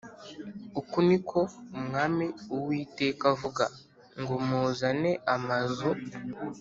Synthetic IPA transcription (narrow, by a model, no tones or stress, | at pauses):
ukunikʰo̞umŋaːmiuwiːte̞ːkavuɡa̰ | ŋɡomuːzane̞ʔamazo